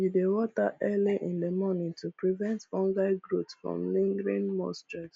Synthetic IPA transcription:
judewɔta̰ʔɛliʔĩndemɔnĩtupɹivɛ̃ntfɔ̃ŋɡaɪɡɹutsfɹɔ̰̃mlĩŋɡɹĩnmɔ̰̃stas

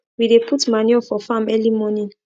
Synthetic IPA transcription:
widepʰutmaniɔfɔfamɛlimɔnĩn

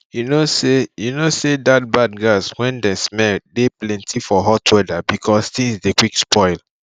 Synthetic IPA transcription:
junosejunosedat̚bad̚ɡaswɛ̃ndɛsmɛldeplɛ̃ntʰifɔɦɔtʰwɛdabikʰɔst̪ĩŋsdekwikspɔɪl

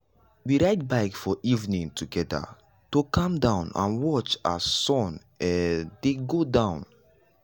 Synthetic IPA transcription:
wiɹaɪt̚baɪkfɔʔivnĩŋtʰuɡɛda̰ | tokɔ̃mdãʊ̃nã̰nwɔt͡ʃa̰sɔ̃n | ɛdeɡodãʊ̃n

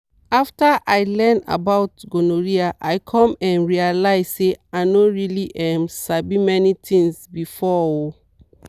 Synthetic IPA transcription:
aftaʔajlɛ̃na̰baʊtɡonoɹiaʔajkʰɔ̃mɛ̃nɹialaɪz̥seaɪnoɹiliʔɛ̃msabĩmɛnitʰĩŋsbifɔo

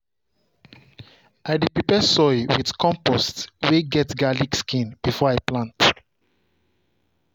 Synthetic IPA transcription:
aɪdipɹipɛsɔɪwið̥kʰɔ̃mpɔstweɡɛtɡaliɡskĩnb̥ifɔaɪplãnt

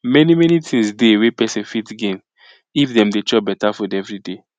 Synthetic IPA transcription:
mɛnimɛnitʰĩŋsdewepɛsĩnfitɡẽn | ifdɛ̃mdet͡ʃɔbɛtafɔdɛvɹide

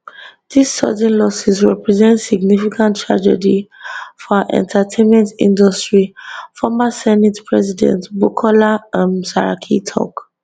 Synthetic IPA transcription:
disːɔ̰dɛ̃nlɔsisɹɛ̰pɹɛzɛ̃ntsiɡnifikãntʰːɹa̰d͡ʒɛ̰difɔaʔɛ̰̃ntʰatʰẽnmɛ̃ntḭ̃ndɔstɹifɔmasɛnitpʰɹɛzidɛ̰̃ntbukʰɔlaãmsaɹa̰kʰitʰɔ̰k

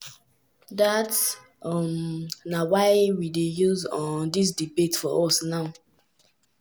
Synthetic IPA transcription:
dats | ɔmnawaɪwidejuzɔndis̬dibetfɔʔɔsnaʊ

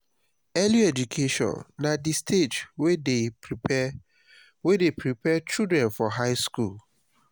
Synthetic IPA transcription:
ɛliɛd͡ʒukʰeʃɔ̰̃nːadistʰed͡ʒwee | wedepɹipɛt͡ʃidɹɛ̃nfɔɦaɪskul

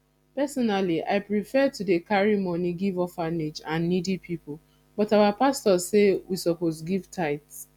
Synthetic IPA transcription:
pɛsɔnaliʔa̰ɪpɹifɛtudekaɹimɔniɡivɔfanid͡ʒãnːidipʰipʊ | bɔtawapastɔsewisɔposɡivtʰaɪts

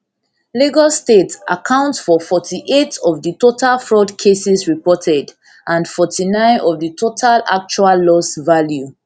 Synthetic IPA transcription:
liɡɔstetʔa̰kʰãʊ̃ntsfɔfɔtʰiʔetʰɔvðətotʰalfɹɔdkʰesisɹipɔtʰɛd | ʔãnfɔtʰinãɪ̃nɔvðətʰotʰala̰k̚t͡ʃualːɔsvalju

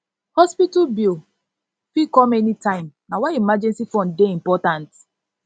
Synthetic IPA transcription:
hɔspitabil | fikɔmɛnitãɪ̃mnawaimad͡ʒɛ̃nsifɔ̃nddeimpɔtãnt

